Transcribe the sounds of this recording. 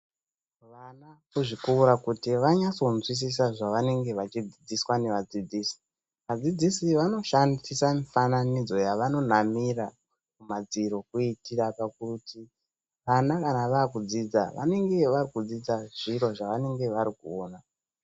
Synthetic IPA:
ʋanakuʐikuuɾakutiʋaɲat͡so̞nzwis̬is̬aʐaʋane̞ŋɡe̞ʋat͡ʃid͡zid͡ziswane̞ʋad͡zid͡ziːsi̥ | ʋad͡zid͡zisiʋano̞ʃandisamifananid͡zo̞jaʋano̞n̤amira | mumad͡ziɾo̞kuitirapakuti | ʋanakanaʋaːkud͡zid͡za̰ʋʔa̰ne̞ŋɡe̞ʋarikud͡zid͡zaʐ̥iɾo̞ʐaʋane̞ŋɡe̞ʋaɾikuoːna

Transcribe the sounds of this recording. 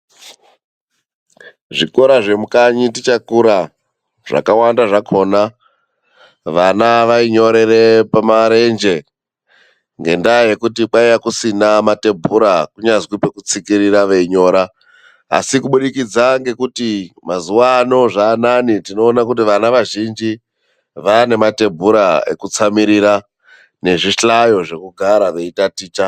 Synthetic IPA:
ʐiko̞ɾaʐe̞mukaɲitit͡ʃakuɾa | ʐ̥a̰kawandaʐakʰo̞na | ʋanaʋaiɲo̞ɾe̞ɾe̞pamaɾe̞nd͡ʒe̞ | ŋɡe̞ndaje̞kutik͡paijakusinamate̞mbʱuɾakuɲazwipe̞kut͡sikiɾiɾaʋeiɲo̞ːɾa̰ː | sikuɓuɗikid͡zaŋɡe̞kutimazuwano̞ʐaːnanitino̞ːnak̬ut̬iʋanaʋaʒind͡ʒi | ʋane̞mate̞bʱuɾae̞̰kut͡samiɾiɾa | ne̞ʐiɬajo̞ʐe̞kuɡʱaɾaʋe̞itatiːt͡ʃa

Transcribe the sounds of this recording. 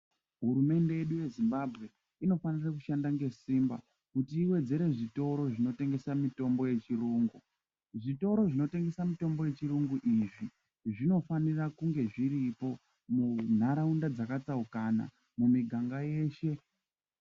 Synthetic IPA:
ɦuɾume̞nde̞je̞ɗuje̞zimbabʱɣe̞ | ino̞fanirakuʃandaŋɡe̞siːmba̰ | kutiːwe̞d͡ze̞ɾe̞ʐito̞ɾo̞ʐino̞te̞ŋɡe̞samito̞mbo̞je̞t͡ʃiruːŋɡu | ʐito̞ɾo̞ʐino̞te̞ŋɡe̞samito̞mbo̞je̞t͡ʃiruŋɡuʔiʐi | ʐino̞fanirakuŋɡe̞ʐiɾipo̞ | mun̤aɾaundad͡zakat͡saukana̰ | mumiɡʱaŋɡaje̞ːʃe̞

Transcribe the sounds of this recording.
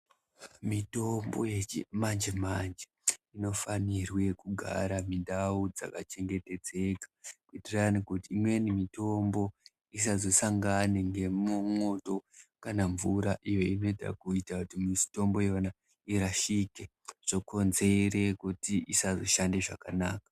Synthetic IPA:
mito̞mbo̞jemand͡ʒemand͡ʒeino̞fanirwe̞kuɡʱa̰ɾamindaud͡za̰kat͡ʃe̞ŋɡe̞te̞d͡ze̞kḁkuitiranikutiːmwe̞nimito̞mbo̞ | is̬azo̞saŋɡaneŋɡe̞mumo̞to̞kanaɱvuɾaʔijo̞ino̞eta̰kuitakutimito̞mbo̞jeʋana | iɾaʃike | ʐ̥oko̞nze̞ɾe̞kutiisazoʃande̞ʐakanaːkḁ

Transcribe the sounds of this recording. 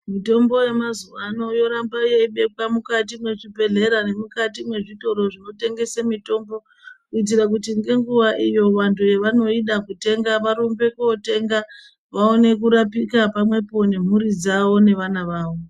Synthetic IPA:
mito̞mbo̞je̞mazuʋano̞jo̞ɾambajeiɓe̞kwamukat̬imwe̞ʐibe̞ɮe̞ɾane̞mukatimwe̞ʐito̞ɾo̞ʐino̞te̞ŋɡe̞semito̞mbo̞ | kuit̬iɾak̬utiŋɡe̞ŋɡuʋaʔijo̞ʋantʰujeʋano̞iɗakute̞ŋɡaʋaɾumbe̞kote̞ŋɡa | ʋaone̞k̬uɾapikapamwe̞po̞ne̞m̤uɾid͡zawo̞ne̞ʋanaʋaːʋo̞

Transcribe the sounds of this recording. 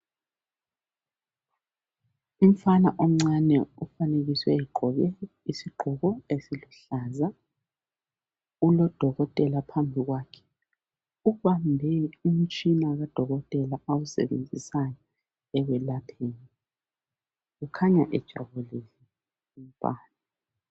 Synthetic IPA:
iɱfana̰ʔom̩ŋ͡ǀanɛufaneɣiswɛ̰ɛɡ͡ǃʱɔɣɛ | isiɡ͡ǃʱuɣɔesiluɬaːza | ulɔd̥ʱɔɣɔtʼɛlapʰambʱiɣwaːkʰɛ̥ | uβambʱɛum̩t͡ʃʼinaɣad̥ʱɔɣɔtʼɛlaawusɛ̰βḛnd͡zʱisajɔ | ɛɣɛlatʰeːni | ɣukʰaɲaʔɛd̥ʒ̥ʱa̰βulisɛ | iɱ̩fa̰ːna

